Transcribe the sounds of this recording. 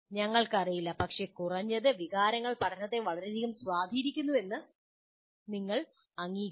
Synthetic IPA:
ɲɐŋːɐɭkɐrijilːɐpɐkʂe̞kurɐɲːɐðɨʋiɣaːɾɐŋːɐɭpɐʈʰɐnɐt̪ːeʋɐɭɐɾed̪ʱiɣumswaːd̪ʱiɾikʲːunːue̞nːɨ | niŋːɐɭ | ɐŋːiː

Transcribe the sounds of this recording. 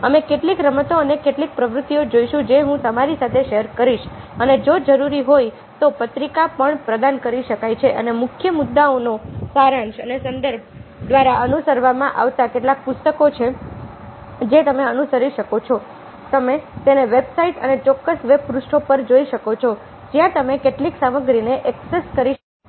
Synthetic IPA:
əmekeʈlikɾəmət̪oənekeʈlik̚pɾəʋɾʊt̪ːiod͡ʒoiʃũd͡ʒeɦũt̪əmaɾisat̪ʰeʃeɦəɾkəɾiʃ | əned͡ʒod͡ʒəɾuɾiɦoj | t̪opət̪ɾikapəɳpɾəd̪ankəɾiʃəkajt͡ʃʰeʔə̰nemʊkʰjəmʊd̪ːaonosaɾãnʃənesənd̪əɾb̚ʱd̪ʋaɾaʔənusəɾʋamãʔa̰ʋt̪akeʈlak̚pʊst̪əkot͡ʃʰe | d͡ʒet̪əmeənusəɾiʃəkot͡ʃʰɔ | t̪əmet̪eneʋebsaiʈə̰net͡ʃɔkːəsʋeb̚pɾusʈʰopəɾd͡ʒoiʃəkot͡ʃʰɔ | d͡ʒjãt̪əmekeʈliksaməɡɾineʔɛkseskəɾi

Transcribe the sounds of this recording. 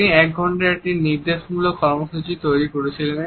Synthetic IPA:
niɛk̚ɡʱɔɳʈaekʈiniɾd̪eʃmulokɔɾmoʃut͡ɕit̪ojɾikoɾet͡ɕʰilen

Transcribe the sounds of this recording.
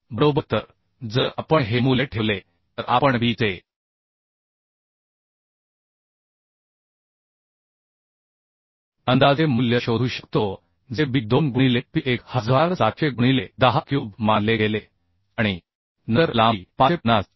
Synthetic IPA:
bəɾobət̪əɾ | d͡zəɾapəɳɦemuleʈʰeʋle | t̪əɾʔa̰pəɳbiːt͡se | ənd̪ad͡zemuljəɕod̪ʱuːɕəkt̪o | d͡zebid̪onɡuɽ̃ilet̪iʔekhəd͡zʋalsat̪t͡ɕʰeɡuɽ̃iled̪əɦakjuːbmãnd̪leɡele | aɽ̃i | nəɾlapaepnas

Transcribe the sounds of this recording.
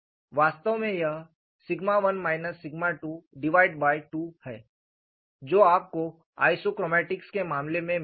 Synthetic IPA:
ʋaːst̪əʋmẽjɐɦ | sɪɡmaʋɐnmaːɪnəsːɪɡmaʈuɖɪʋaːɪɖbaːɪʈuːhɛ̰ː | d͡ʒoːaːp̚ko | a̰ːɪsokɾɔːmɛːʈɪkskemaːmlemẽ

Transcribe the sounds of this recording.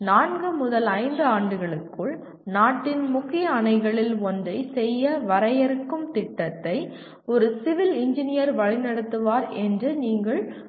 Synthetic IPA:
naːɳɡɯmʊðɐlɐɪnd̪ɯaːɳɖɯɣɐɭɯkːɯɭ | naːʈːɪnmʊkːɪjɐːnɐɪɣɐɭɪlɔndrɐɪsɛjːɐʋɐɾɐjɐɾɯkːɯmt̪ɪʈːɐt̪ːɐɪ | ɔɾɯsɪʋɪlɪɲd͡ʒɪnɪjɐɾʋɐɻɪnɐɽɯt̪ːɯʋaːɾɛndrɯniːŋɡɐɭ

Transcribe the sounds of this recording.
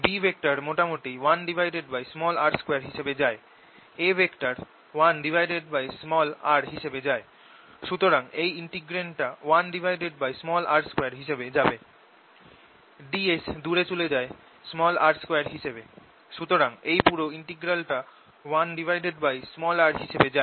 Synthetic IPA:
bibʱek̚ʈaɾmoʈamoʈiwanɖibʱajɖeɖbajsmɔlaɾskeaɾɦiʃebed͡ʑae | ebʱekʈaɾ | wanɖibʱajɖeɖ̚bajsmɔlaɾɦiʃebed͡ʑae | ʃut̪oɾaŋejiɳʈiɡɾeɳʈawanɖibʱajɖeɖbajsmɔlaɾskoejaɾɦiʃebed͡ʑabe | ɖiesd̪uɾet͡ɕuled͡ʑae | smɔlaɾskejaɾɦiʃebe | ʃut̪oɾaŋejpuɾoiɳʈiɡɾalʈa | wanɖibʱajɖeɖbajsmɔlaɾɦiʃebed͡ʑae

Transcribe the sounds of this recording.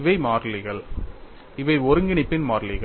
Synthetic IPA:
ʋɐɪmaːɾlɪɣɐɭ | ɪʋɐɪɔɾɯŋɡɪɳɪpːɪnmaːɾlɪɣɐ

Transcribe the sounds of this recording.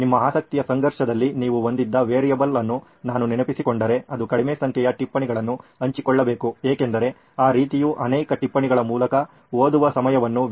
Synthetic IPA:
nimːɐaːsɐk̚t̪ijɐsɐŋɡɐɾʂɐd̪ɐlːiniːʋuond̪id̪ːɐʋeːɾijɐbɐlɐnːu | naːnuninɐpisikoɳɖɐɾe̞ɐd̪ukɐɽimeːsɐŋkʰɛjɐʈipːɐɳiɡɐɭɐnːuɐɲt͡ʃikɔɭːɐbe̞ːkueːke̞nd̪ɐɾe̞ | aːɾiːt̪ijuʔɐnɛːkɐʈipːɐɳiɡɐɭɐmuːlɐkɐ | oːd̪uʋɐsɐmɐjɐʋɐnːu

